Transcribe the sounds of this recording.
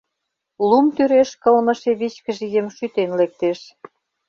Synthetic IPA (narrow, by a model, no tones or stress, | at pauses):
lumt̪yɾeʃkɤ̆lmə̆ʃeβit͡ɕkə̆ʒijemʃyt̪enlek̚t̪eʃ